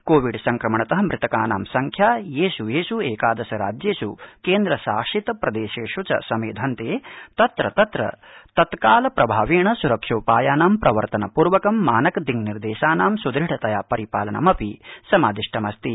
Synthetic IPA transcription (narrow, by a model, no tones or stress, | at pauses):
koːʋiɖsɐŋkɾɐmɐɳɐt̪ɐɦɐ̆mɾɪt̪ɐkaːnaːmsɐŋkʰjaːjeːʃujeːʃueːkaːd̪ɐsɐɾa̰ːd͡ʒjeːʃukeːnd̪ɾɐʃa̰ːʂit̪ɐpɾɐd̪eːʃeːʃut͡ʃɐ̰sɐmeːd̪ʱɐnt̪eːt̪ɐt̪ɾɐt̪ɐt̪ɾɐ̰t̪ɐt̪kaːlɐpɾɐbʱaːʋeːɳɐsuɾɐkʂoːpaːjaːnaːmpɾɐʋɐɾt̪ɐnɐpuːɾʋɐkɐmːaːnɐkd̪iŋɡniɾd̪eːʃaːnaːmsud̪ɾiʈɐt̪ɐjaːpɐɾipaːlɐɳɐ̰mɐpisɐmaːd̪iʂʈʰɐmɐst̪i